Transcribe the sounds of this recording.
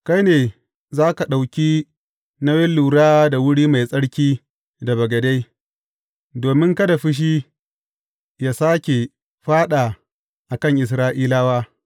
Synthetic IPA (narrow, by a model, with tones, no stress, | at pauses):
ka˦jneː˨ | zaː˦ka˨ɗa˨wkʲiː˦ | na˦wɛ˦lːuː˨ɽaː˦da˨wʊ˦ɽiː˦ma˨jsʼɐ˦ɽkʲiː˦ | da˨bɐ˨ɡɐ˨da˦j | doː˨mɪ˦ŋkɐ˦da˨ɸɪ˦ʃ̬iː˦ | jaː˦˨saː˦kʲe˨ | ɸaː˦ɗaː˨ | ʔa˨kɐ˦˨ŋʔɪ˨s̬ɾaː˦ʔiː˦laː˦waː˦